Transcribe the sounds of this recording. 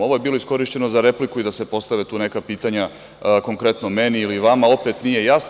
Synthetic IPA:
o̞ʋo̞je̞biːlˠo̞isko̞ɾiʃt͡ɕe̞no̞zaɾe̞plikuid̪ase̞po̞st̪aʋet̪uːne̞kapiːt̪aɲa | ko̞ŋkɾe̞t̪no̞me̞niːliʋamao̞pet̪nije̞jas

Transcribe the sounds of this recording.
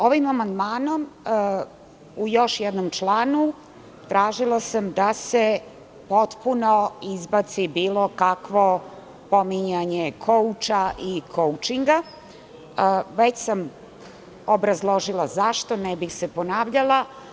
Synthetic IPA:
o̞ʋimamand̪maːno̞m | ujo̞ʃjɛd̪nomt͡ʃlˠaːnu | t̪ɾaːʒilˠasamd̪ase | po̞t̪puno̞izbat̪sibiːlˠo̞kakʋo̞ | pomiɲaɲekʰout͡ʃaʔikʰowt͡ʃiŋɡa | ʋet͡ɕsam | obɾazlˠo̞ʒilazaʃt̪o̞nɛbixseponaːʋʎalˠa

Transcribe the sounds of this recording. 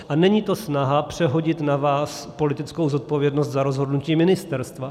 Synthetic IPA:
ʔanɛɲiːt̪o̞snaɦapr̝̥ɛɦo̞ɟɪt̪navaːspo̞lɪt̪ɪt͡skowzo̞t̪̚povjɛdnost̪zaɾo̞zɦo̞dnuciːmɪnɪst̪ɛɾst̪va

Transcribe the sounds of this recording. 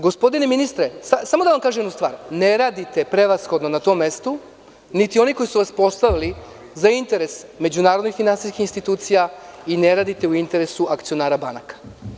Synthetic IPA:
ɡo̞spo̞d̪ineminist̪ɾesasamod̪aʋamkaːʒemjd̪nust̪ʋa̰ːɾneɾaːd̪it̪e̞pɾe̞ʋasxo̞d̪nonat̪o̞ːmːe̞st̪u | nit̪io̞niko̞isuʋaspo̞st̪aʋili | zaint̪e̞ɾe̞sme̞d͡ʑunaːɾod̪nixfinansiskixinst̪it̪uːt̪sijaineɾaːd̪it̪e̞uint̪e̞ɾe̞suakt̪sijo̞naːɾabanakḁ

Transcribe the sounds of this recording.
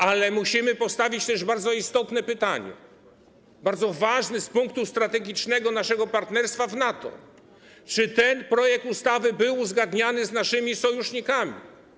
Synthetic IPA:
alɛmuɕimɘpɔst̪avʲit͡ɕt̪ɛʐbaɾd̪zɔist̪ɔt̪nɛpɘt̪aɲɛ̰ | baɾd̪zɔvaʐnɛspuŋk̚t̪ust̪ɾat̪ɛɡʲit͡ʂnɛɡɔnaʂɛɡɔpaɾt̪nɛɾst̪favnat̪ɔ̰ | t͡ʂɘt̪ɛnpɾɔjɛk̚t̪ust̪avɘbɘwuzɡad̪ɲanɘznaʂɘmʲisɔjuʂɲikamʲḭ

